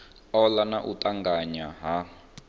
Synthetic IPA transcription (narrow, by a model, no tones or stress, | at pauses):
ɔlanaʔutʼaŋɡaɲaɦa